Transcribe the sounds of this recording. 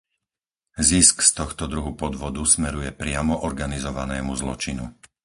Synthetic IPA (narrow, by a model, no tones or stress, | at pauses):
ziskst̪ɔxt̪ɔd̪ɾuɦupɔd̪ʋɔd̪usmɛɾujɛpɾɪamɔʔɔɾɡanizɔʋanɛːmuzlɔ̰t͡ʃinṵ